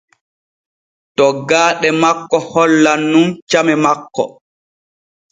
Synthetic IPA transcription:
tɔɡaːɗɛmakːɔhɔlːanːunt͡ʃamɛmakːɔ

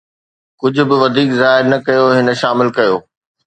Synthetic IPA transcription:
kʊd͡ʑʱʊ̆bɪʋɐd̪ʱiːkzaːɦɪɾnɐkɐjoɦɪnə̆ʃaːmɪlkɐjoː

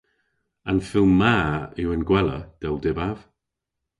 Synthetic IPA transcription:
anfɪlˠmmaɪwɪnɡwɛlˠə̰d̥ɛlˠdɪbav̥

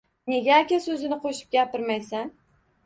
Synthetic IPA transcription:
ne̞ɡʲaːkʲasɵzɪnɪqʰoʃɪ̥p̚ɡʲapɪɾmajsan

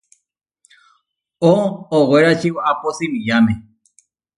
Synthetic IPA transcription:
ooweɾaʃiwaposimĩjamẽ

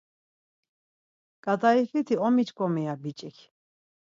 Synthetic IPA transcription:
kʼad̪aifit̪ʰiɔmit͡ʃkʼɔmɛabit͡ʃʼɛkʰ

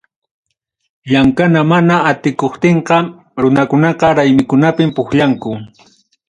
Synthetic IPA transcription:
ʎaŋkanamanaːt̪ɪkoχt̪eɴqɑ | ɾʊnakʊnɑqɑɾajmɪkʊnapɪmpʊxʎaŋkʊ

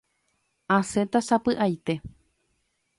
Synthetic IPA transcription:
ãsẽt̪asapɨʔajt̪e̞

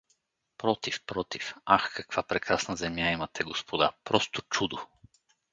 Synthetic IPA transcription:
pɾɔt̪ifpɾɔt̪ifaxkɐkv̥apɾɛkɾasnəzɛmjaimɐt̪ɛɡospʰod̪a̰pɾɔst̪ot͡ʃud̪o

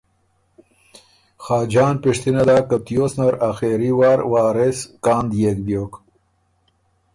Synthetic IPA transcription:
xaːd͡ʒɑːnpiʂt̪inad̪aːkap̚t̪ijoːsnɐɾaxeːɾiwɑːɾwaːɾeskɑːnd̪jekb̪joːk

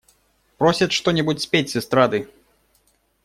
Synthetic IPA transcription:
pɾɔsʲɐt̪ʂt̪ɔnʲɛbut͡sʲsʲpʲet͡sʲsʲɛst̪ɾad̪ɨ

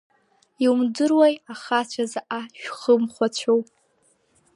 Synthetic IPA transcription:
iwumdɨrwajaχat͡ɕʷʰazaʔaʃᶣχəmχʷat͡ɕʷʰow

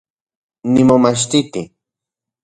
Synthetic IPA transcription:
nɪmomaʃ̬t̪ɪt̪ɪ

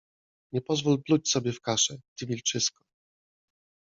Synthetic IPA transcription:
ɲɛpɔzvulplut͡ɕsɔbʲjɛfkaʂɛt̪ɘvʲilt͡ʂɘskɔ̥

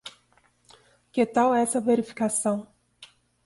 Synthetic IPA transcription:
ket̪awɛɛsɐveɾifi̥kasɐ̃w̃

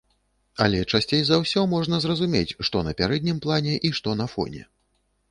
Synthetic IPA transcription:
ɐlʲɛt͡ʂasʲt͡sʲejzawsʲɔmɔʐnɐzrɐzumʲet͡sʲʂt̪ɔnɐpʲaɾɛd̪̚ʲnʲimplˠanʲɛʔiʂt̪ɔnɐfɔ̰nʲɛ̰

